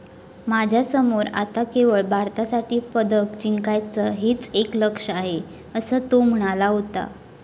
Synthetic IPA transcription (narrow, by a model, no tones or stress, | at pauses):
mad͡ʑʱjasəmoɾa̰t̪akeʋəɭbaɾt̪asaʈiːpəd̪əkt͡ɕiŋkajt͡səɦiːt͡sekləkʂəaɦe | əsəːt̪om̤uɳ̃alaɦot̪a̰